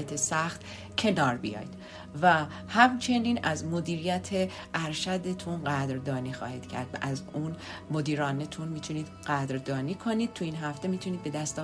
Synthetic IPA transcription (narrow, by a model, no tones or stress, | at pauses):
æt̪ʰesæxt̪ | cʰe̞nɒːɾbḭjɒ̰ːjd̪ | væ | hæmt͡ʃʰe̞niːnæzmo̞d̪iːɾijæt̪ʰe | ʔæɾʃæd̪et̪ʰunɢæd̪ɾd̪ɒːniːxɒ̰ːhiːd̪̥cʰæ̰ɾd̪̥væ̰ʔæzuːnmod̪iːɾɒːnet̪ʰunmiːt̪ʰuniːd̪ɢæːd̪ɾd̪ɒːniːkʰo̞niːd̪̚t̪ʰuiːnɦæft̪e̞miːt̪ʰuniːd̪̚be̞d̪æst̪ɒ